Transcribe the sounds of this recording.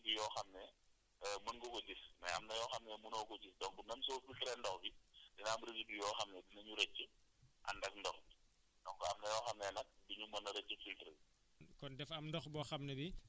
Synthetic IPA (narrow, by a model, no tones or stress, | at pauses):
bijɔːxɐmnɛ | munɡɔkɔdismɐ̰jɐ̰mnɐjɔːxɐmnɛmunɔːɡɔɟisdɔŋ̚bunɐmsɔːfiltɾɛndɔxbidinabɾiɡibijɔːxɐmnɛdinɐɲuɾɛt͡ʃːəʔɐ̰ndɐk̚ndɔxbi | dɔŋkɔɐmnɐjɔːxɐmnɛnɐk̚diɲumɐnɐɾɛt͡ʃːəfiltɾəbi | kɔndɛfɐmndɔxbɔxɐmnɛbi